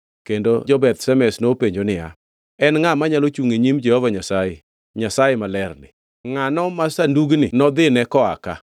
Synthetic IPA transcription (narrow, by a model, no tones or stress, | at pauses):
kendod͡ʒɔbɛt̪sɛmɛsnopeɲd͡ʒonɪa̰ | ɛnŋamaɲalot͡ʃuŋeɲimd͡ʒɛhovaɲasaje | ɲasajemalɛrnɪ̰ | ŋanɔmasanduɡnɪnɔd̪ɪnɛkɔa̰ka̰